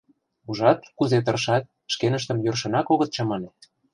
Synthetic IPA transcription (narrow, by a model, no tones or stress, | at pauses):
uʒɑt̪̚kuzet̪ɤ̆rʃɑt̪̚ | ʃkenə̆ʃt̪ə̆mjørʃɤ̆nɑkoɣɤ̆t̪̚t͡ɕɤmɑnet̪